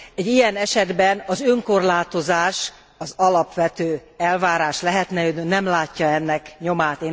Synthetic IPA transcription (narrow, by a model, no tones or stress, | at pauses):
ɛɟːijɛnɛʃɛd̪bɛnɒzøŋko̞rlaːt̪o̞zaːʃ | ɒzɒlɒpʋɛt̪øːɛlvaːɾaːʃlɛɦɛt̪nɛødnynɛmlaːcːɒɛnːɛkɲomaːt̪eː